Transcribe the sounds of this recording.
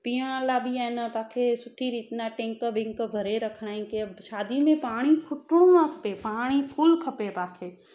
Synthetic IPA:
pijãlaːbʱiɛːnapaːkʰesʊʈʰiɾiːt̪naʈẽːŋkəbɪ̃ŋkbʱɐɾeɾɐkʰnaːẽkeɐbʃaːd̪imẽpaːɽ̃ipʰʊʈõãkʰpepaːɽ̃ipʰuːlkʰɐpepaːkʰeː

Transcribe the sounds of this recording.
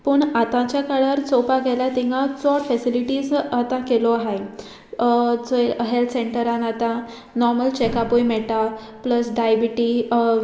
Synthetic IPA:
pəɳat̪ãt͡ɕjakaɭəɾt͡sɔpaɡɛlat̪ĩŋɡãt͡sɔɽfɛsiliʈiːzat̪ãkelɔaɦe | t͡sɦelt̪ʰseɳʈəɾãnat̪ã | nɔɾməlt͡ɕekapujmɛʈa | pləsɖajbiʈi

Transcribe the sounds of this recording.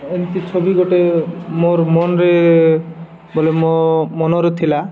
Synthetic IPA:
ent̪it͡ʃʰobiɡoʈemoɾmonɾe | bolemomonɔɾet̪ʰila

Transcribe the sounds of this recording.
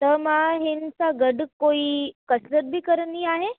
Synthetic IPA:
t̪əmaɦinsaɡəɽkoiːkəsɾəɾ̚bʱiːkəɾəniaɦe

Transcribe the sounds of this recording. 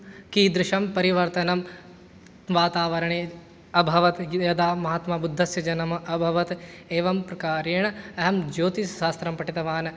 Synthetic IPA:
kid̪ɾɪʃɐmpɐɾiʋɐɾt̪ɐnɐm | ʋaːt̪aːʋɐɾɐɳeː | ɐbʱɐʋɐt̪jɐd̪aːmɐɦaːt̪maːbud̪ʱːɐsjɐd͡ʒɐnɐmɐbʱɐʋɐt̪eːʋɐmpɾɐkaːɾeːɳ̃ɐɐɦɐmd͡ʒoːt̪isʃaːst̪ɾɐmpɐʈit̪ɐʋaːn

